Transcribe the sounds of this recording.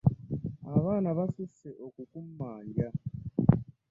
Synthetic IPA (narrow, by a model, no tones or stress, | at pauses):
aβaːnaβasiseʔokukumːaːɲɟa